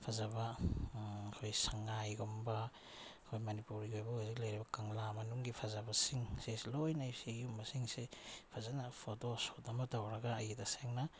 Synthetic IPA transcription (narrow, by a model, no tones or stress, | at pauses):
pʰazaba | kʰojsaŋajɡomba | kʰojmanipuɾiɡojbɐojziklajɾibɐkaŋlamɐnuŋɡipʰazabɐsiŋseslojnajsiɡiumbɐsiŋsepʰazanapʰotosotɐmɐtawɾɐɡaːjitaseŋna